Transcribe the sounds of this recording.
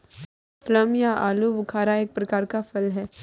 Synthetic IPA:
t̪ləmjaʔaːlubʊkʰaːɾaeːk̚pɾɐkaːɾkafɐlɦɛː

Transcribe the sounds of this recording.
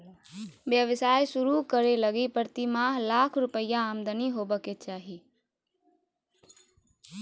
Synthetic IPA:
ʋjəʋɪsaːjsʊɾukəɾeləɡipəɾt̪imaɦlaːkʰɾʊpəɪjãːmd̪əniɦoːbəket͡ʃaːɦi

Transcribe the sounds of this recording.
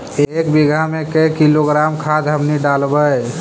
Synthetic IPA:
ekbiɡʱamekekiloɡɾamkʰad̪ɦəmniɖalbəj

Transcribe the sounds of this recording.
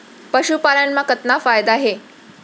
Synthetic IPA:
pəɕupalanmakət̪nafajd̪aɦe

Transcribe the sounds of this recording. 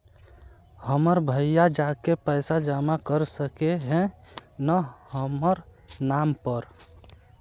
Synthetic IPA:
həməɾbʱəjjad͡ʒakepəɪsad͡ʒamakəɾsəkeɦɛ̃nahəməɾnampəɾ

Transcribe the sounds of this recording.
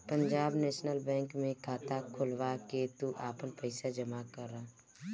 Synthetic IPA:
pə̃ɲd͡ʒaːbnɛːʃnəlbɛ̃ːŋkmẽkʰaːt̪akʰʊlwaket̪uʔaːpənpəɪsad͡ʒəmakəɾːaː

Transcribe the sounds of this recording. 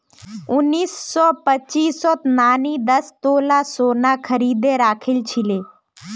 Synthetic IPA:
ʊnːiːsːɔːpət͡ʃiːsɔt̪naːnid̪əst̪oːlaːsoːnãkʰəɾiːd̪eɾaːkʰɪlt͡ʃʰileː

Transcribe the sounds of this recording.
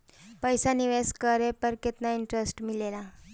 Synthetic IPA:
pəjsaniʋeskəɾepəɾket̪naiɳʈɾesʈmilela

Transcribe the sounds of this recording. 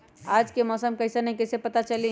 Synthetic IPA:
ad͡ʒkemɔːsəmkəɪsenəɦĩkəisepət̪at͡ʃəli

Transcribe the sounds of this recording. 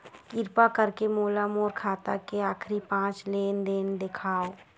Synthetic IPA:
kɪɾpakəɾkemoːlamɔːɾkʰaːt̪akeaːkʰɾipãːt͡ʃleːnd̪eːnd̪ekʰaːo

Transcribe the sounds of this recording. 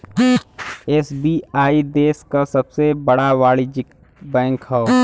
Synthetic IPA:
eːsbiːaːid̪eːskasɐbsebəɽaʋaːɭid͡ʒɪk | bɛ̃ːŋkɦɛo

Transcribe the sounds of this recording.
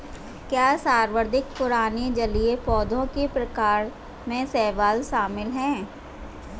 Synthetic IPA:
kjaːsaːɾʋəɾd̪ʱɪk̚pʊɾaːned͡ʒɐliepɔːd̪ʱõkepɾɐkaːɾ | mẽsɛːʋaːlʃaːmɪlɦɛ̃ː

